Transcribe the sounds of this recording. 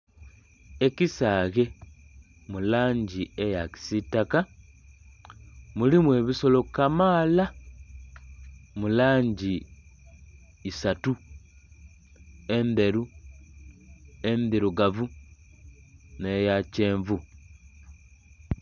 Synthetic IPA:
e̞cisaːɣe̞ | mulaːɲɟiejaki̥sitːaka | mulimwe̞βiso̞lo̞kamaːla | mulaːɲɟi | satu | e̞nd̪e̞ɾu | e̞nd̪iɾuɡavu | ne̞jace̞ːɱvu

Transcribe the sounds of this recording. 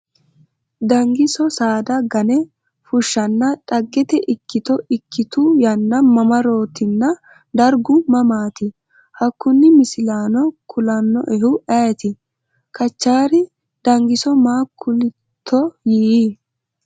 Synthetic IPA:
d̪ɐŋɡɪsɔsaːd̪ɐɡɐnɛ | fʊʃːɐnːɐᶑʼɐɡːɛt̪ɛʔɪkːɪt̪ɔɪkʰːɪt̪ʊjɐnːɐmɐmɐɾo̞ːt̪ɪnːɐ | d̪ɐɾɡʊmɐmaːt̪ɪ | hɐkːʊnːɪmɪsɪlaːnɔkʰʊlɐnːɔ̰ʔɛhʊʔɛjt̪ɪ | kʰɐt͡ʃːaːɾɪ | d̪̥ɐŋɡɪsɔmaːkʰːʊlɪ | t̪ʰːɔjiːi

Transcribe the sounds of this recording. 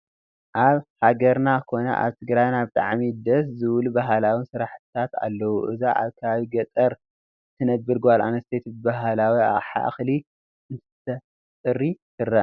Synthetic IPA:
ʔaβhaɡɐɾnakʰo̞nɐ̰ʔa̰βt̪ʰɨɡɾajnabɨt̪ʼa̰ʕmid̪ɐszɨβlubaɦalawinsɨɾaħt̪ʰɨt̪ʰat̪a̰lːɐwuʔɨ̰zaʔa̰βkʰɐβaβiɡɐt̪ʼɐɾ | t̪ʰɨnɐbɨɾɡwala̰nɐst̪ʰet̪bɨbaɦalawia̰χʼħa̰ʔxli | ʔɨnt̪ʰɨ̥t̪ʰɐ | sʼɨrːitʰɨrɐ

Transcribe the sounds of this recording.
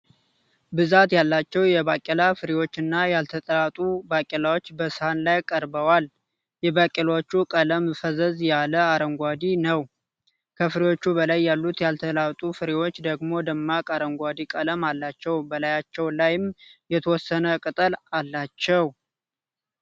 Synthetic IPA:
bɨzat̪jalːat͡ʃːɛwjɛbakʼɛlafɨɾewo̞t͡ʃːɨnːajalt̪ʰət̪ʼəlat̪ʼubakʼilawo̞t͡ʃːbəshanlajkʼəɾbəwal | jɛbakʼilot͡ʃːukʼələmfəzəzjaləaɾəŋɡʷad̪inəw | kʰəfɨɾewo̞t͡ʃːubəlajːalːut̪jalt̪ʰəlat̪ʼufɨɾewo̞t͡ʃːd̪əɡmo̞d̪əmːakʼaɾəŋɡʷad̪ikʼələmalːat͡ʃːɛwbəlajat͡ʃːɛwlajɪmjɛt̪ʰəwɔsːənəkʼɨt̪ʼəlalːat͡ʃːɛw

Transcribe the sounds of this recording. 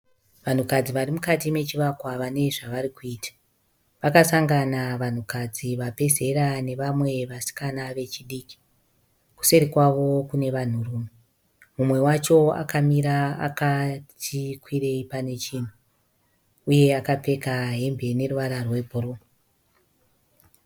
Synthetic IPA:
ʋan̤ukad͡ziʋarimukatime̞t͡ʃiʋakwaʋane̞ʐaʋaɾikuiːtʰḁ | ʋakasaŋɡanaʋan̤ukad͡ziʋape̞ze̞ɾane̞ʋamwe̞ʋasi̥kanaʋe̞t͡ʃiɗiːki̥ | ku̥se̞ɾikwaʋo̞kune̞ʋan̤uruːme | mumwe̞wat͡ʃo̞a̰kamiɾaa̰katʰikwiɾe̞ipane̞t͡ʃiːn̤u | uje̞akap͡fe̞kaɦe̞mbe̞ne̞ruʋaɾarwe̞bʱuɾuːm

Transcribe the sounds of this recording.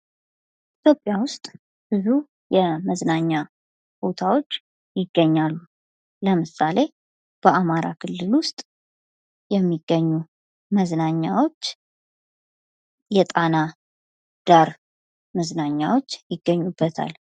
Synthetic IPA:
it̪ʰjo̞pʼːjawʊst̪ʼ | b̥ɨzu | jɛməznaɲːa | b̥ot̪ʰawot͡ʃː | jɪɡːəɲːalːu | ləmɨsale̞ | b̥əamaɾa̰kʰɨlːɨlwʊst̪ʼ | jɛmːiɡ̥ːəɲːu | məznaɲːawo̞t͡ʃː | jɛt̪ʼana | d̪̥aɾ | məznaɲːawo̞t͡ʃːjɪɡːəɲːubːət̪ʰa̰l

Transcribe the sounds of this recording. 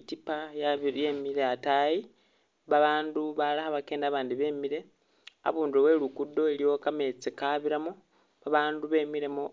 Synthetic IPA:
tipajaβjemiɾeataji | βaβaːnduβalaxaβake̞ːndaːβaːndiβe̞ːmiɾe̞ | a̰βuːndowe̞lukudːo̞elijo̞kame̞t͡sekaβiɾamo | βaβaːnduβe̞ːmiɾe̞mo

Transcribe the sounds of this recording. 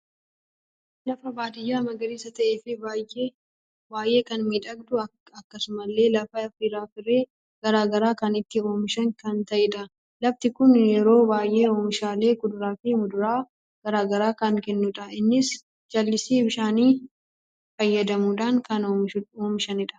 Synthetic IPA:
lɐfɐbaːd̪ɪjːaːmɐɡɐɾiːsɐt̪ɐʔeːfɪbajʔe | baːjʔe̞ːkɐnmiːᶑɐɡd̪ʊɐ | ɐkːɐsʊmɐlːe̞ːlɐfɐfɪɾaːfɪre̞ː | ɡ̥ɐɾaːɡɐɾaːkɐnɪt̪ːɪo̞ːmɪʃɐŋkɐnt̪ɐʔɛᶑɐ | lɐft̪ɪkʊnjɛɾo̞ːbaːjʔe̞ːo̞ːmɪʃaːle̞ːkʊd̪ʊɾaːfɪmʊd̪ʊɾaː | ɡ̥ɐɾaːɡɐɾaːkɐŋkɛnːʊᶑɐʔɪnːɪs | d͡ʒɐlːɪsiːbɪʃaːniː | fɐjːɐd̪ɐmuːᶑaŋkɐnoːmɪoːmɪʃɐnɪᶑɐ̥

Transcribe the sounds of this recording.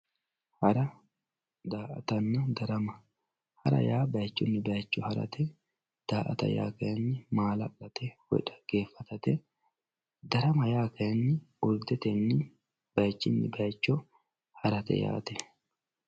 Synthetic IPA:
hɐɾɐ | d̪aːʔɐ̰t̪ɐnːɐd̪ɐɾɐmɐ | hɐɾɐ̰jaːbɐjt͡ʃːʊnːɪbɐjt͡ʃːɔhɐɾɐ̰t̪ʰɛ | d̪̥aːʔɐ̰t̪ɐ̰ja̰ːkɐjɐnːɪmaːlɐlːɐt̪ɛwɔ̰ᶑɐ̥ɡ̥e̞ːfːɐt̪ɐt̪ɛ | d̪ɐɾɐmɐjaːkɐjɐnːɪ | ʊɾd̪ɛt̪ɛnːɪ | b̥ɐjt͡ʃːɪnːɪ̰bɐjt͡ʃːɔ | hɐɾɐt̪ɛ̰ja̰ːt̪ɛ

